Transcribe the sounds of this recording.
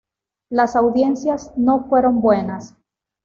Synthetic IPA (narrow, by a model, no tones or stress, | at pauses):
lasawðje̞nsjasno̞fwe̞ɾo̞mbwe̞nas